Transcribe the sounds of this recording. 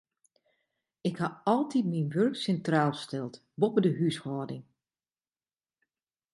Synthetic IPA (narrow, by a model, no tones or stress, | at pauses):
ɪkhaɑlˠtit̚minʋørksɛntraːlˠstɛlˠt | bopədəɦyshɔːdɪŋ